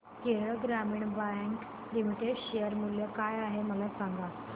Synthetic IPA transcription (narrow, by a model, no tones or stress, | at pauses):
keɾɭəɡɾamiːɳbaŋk | limiʈeɖɕejəɾmuljəkajaɦeməlasaŋɡa